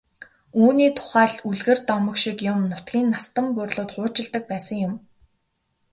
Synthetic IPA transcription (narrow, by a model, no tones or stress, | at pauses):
uːniːt̪ʰʊ̥χæːɮuɮɣɘ̆rt̪ɔmɞ̆kʃikjʊmnʊt̪ɡʲiːnːast̪ə̆mpʊrɮʊːt̪χʊːt͡ɕɪ̆ɮt̪ə̆k̚pæːsə̆ŋjʊm